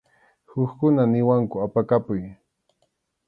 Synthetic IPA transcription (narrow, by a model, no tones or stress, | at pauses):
hʊkkʊnanɪwaŋkʊapakapʊj